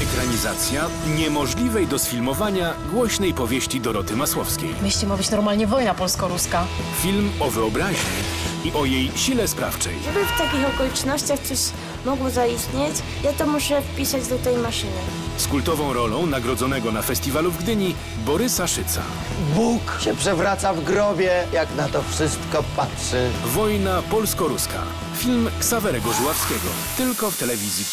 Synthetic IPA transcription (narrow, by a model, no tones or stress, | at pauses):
ɛkɾaɲizat̪sʲja | ɲɛmɔʐlʲivɛjd̪ɔsfʲilmɔvaɲaɡwɔɕnɛjpɔvʲjeɕt͡ɕid̪ɔɾɔt̪ɘmaswɔfskʲḛjmeɕʲimabɘt͡ɕnɔɾmalɲɛvɔjnapɔlskɔɾuska | fʲilmɔvɘɔbɾaʑɲɛ̰iʔɔjejɕilɛspɾa̰ft͡ʂɛ̰jʐɛbɘft̪akʲixɔkɔlʲit͡ʂnɔɕt͡ɕaxt̪ɔɕ | mɔɡwɔzaist̪ɲet͡ɕ | jat̪ɔmuʂɛfpʲisad͡ʑd̪ɔt̪ɛjmaʂɘnɛ | skult̪ɔvɔ̃w̃ɾɔlɔ̃w̃naɡɾɔd̪zɔnɛɡɔnafɛst̪ʲivaluvɡd̪ɘɲi | bɔɾɘsaʂɘt̪sa̰ | bukɕɛpʂɛvɾat̪savɡɾɔbʲjɛjaknat̪ɔfʂɘst̪kɔpatʂɘvɔjnapɔlskɔɾuskʰa̰ | fʲilmksavɛɾɛɡɔzuwafskʲɛɡɔ̰ | t̪ɘlkɔft̪ɛlɛvʲizʲji